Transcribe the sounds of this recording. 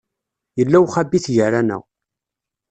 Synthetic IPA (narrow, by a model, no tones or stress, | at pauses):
jəlːæwχæbːiθʝəɾænæ̰